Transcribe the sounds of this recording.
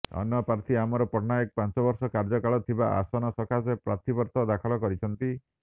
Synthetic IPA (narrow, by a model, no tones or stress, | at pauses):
ɔ̰njɔpɾaɾt̪ʰiamɔɾɔpɔɾnaek̚pant͡ʃɔbɔɾsɔkaɾd͡ʒɔkaɭɔt̪ʰibaʔa̰sɔnɔsɔkʰasepɾa̰t̪ʰibɔɾt̪ɔd̪akʰɔɭɔkɔɾit͡ʃʰɔnt̪i